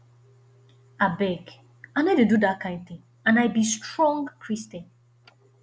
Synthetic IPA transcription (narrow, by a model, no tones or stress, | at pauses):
abɛɡ | anɛdedudat̚kʰãɪ̃nd̚θɪ̃ŋ | ãnajbistɹɔ̃ŋɡkʰɹistɛ̃n